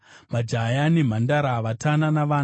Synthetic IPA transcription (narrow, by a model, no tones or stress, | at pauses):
mad͡ʒajanim̤andaɾaʋatʰananaʋaːn